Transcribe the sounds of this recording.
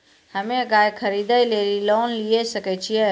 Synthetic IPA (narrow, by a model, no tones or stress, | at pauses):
həmeɡajkʰəɾid̪əjlelilonliesəkɛt͡ʃʰijɛ